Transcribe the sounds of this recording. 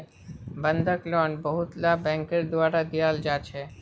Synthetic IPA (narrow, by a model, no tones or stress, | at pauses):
bənd̪ʱəklɔːnbəɦʊt̪labɛ̃ːŋkɪɾd̪ʊwaːɾad̪ijaːld͡ʒaːt͡ʃʰɛ